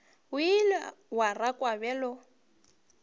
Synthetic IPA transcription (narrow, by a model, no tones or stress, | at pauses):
wilwarakʼwabɛlɔ